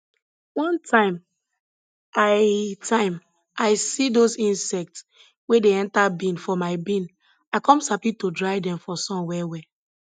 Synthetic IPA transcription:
wɔ̃ntʰãɪ̃m | aɪtʰãɪ̃m | aɪsidozĩnsɛk̚ts | wedeɛ̃ntabĩnfɔmaɪbĩn | aɪkɔ̃msapitodɹaɪdɛ̃mfɔsɔ̃mwɛwɛ

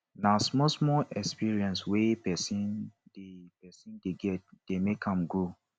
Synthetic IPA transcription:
nasmɔsmɔʔɛkspiɹiɛ̃nswepɛsĩndepɛsĩndeɡɛt̚d̥emekʰãmɡo

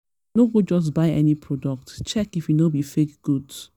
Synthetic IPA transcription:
noɡod͡ʒɔs̬baɪɛnipʰɹɔdɔk̚tt͡ʃɛkifjunobifekɡ̥ud

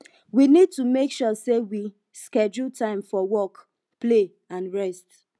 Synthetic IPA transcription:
winid̚tumekʃɔsewi | skɛd͡ʒultʰãɪ̃mfɔwɔk | ple | ãnɹɛst

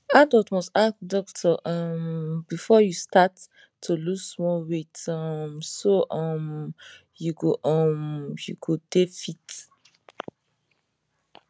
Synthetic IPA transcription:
adɔtmɔstakdɔktʰɔʔʌmbifɔjustatʰː | ulusmɔwetʌmsoʔʌm | juɡoʔʌmjuɡodefit

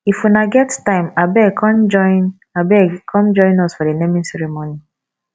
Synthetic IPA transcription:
ifunaɡɛttãɪmabɛkɔnd͡ʒɔn | abɛkʰɔ̃md͡ʒɔ̃ɪ̃nɔsfɔdenemĩnsɛɾemoni

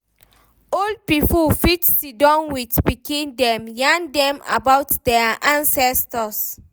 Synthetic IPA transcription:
old̚pipufitsidɔ̃nwidspikĩndɛ̃mjãndɛ̃ma̰bawtdɛaʔãnsɛstɔs

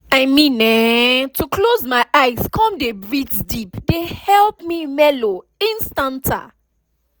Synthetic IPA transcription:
amĩnɛtukʰlozmaɪʔaɪzkʰɔ̃mdebɹitdipdehɛlpmimɛlo | ĩnstãntʰa̰

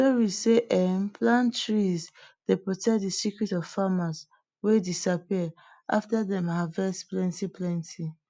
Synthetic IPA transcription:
soɹiseʔɛmpʰlãntɹizd̥epɹɔtʰɛk̚dəsikɹitɔv̥famaz | wedisapiə | ʔa̰ftaðɛ̃mavɛsplɛ̃ntipʰlɛ̃ntʰi

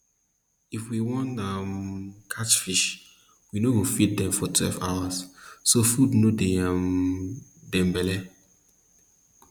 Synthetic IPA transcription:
ifwiwɔ̃ntamkʰat͡ʃfiʃ | winoɡõfit̚dɛ̃mfɔtʰwɛ̰lva̰wassofudnodeam | dɛ̃mbɛlɛ

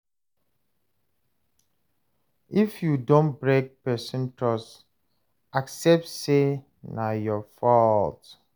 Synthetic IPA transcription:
ifjudõnbɹek̚pɛsĩntɹɔs | aksɛp̚tse | najɔfɔlt

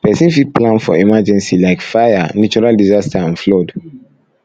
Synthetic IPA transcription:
pɛsĩnfit̚plãnfɔ̰imad͡ʒɛ̃nsilaɪkfajanut͡ʃuɾaldizastaãnflɔd

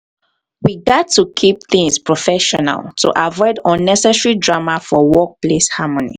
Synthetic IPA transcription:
wiɡɛtʰːukʰip̚θĩŋspɹɔfɛʃɔna̰lˠtʰṵʔavɔɪdɔ̃nːɛsɛsɹidɹamafɔwɔk̚pleshamɔnḭ

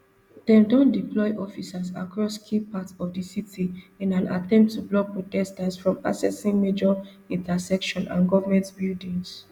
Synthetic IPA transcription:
d̥ɛ̃mdɔ̃ndiplɔɪʔɔfisasa̰kɹɔskʰipatɔfdisitʰiɛ̃nãna̰tɛ̃mp̚tʰːublɔk̚pɹɔtɛstasfɹɔ̃ma̰sɛsĩŋmed͡ʒɔ | ĩntasɛkʃɔ̃nʔã̰nɡɔvamɛ̃ntbildĩŋs

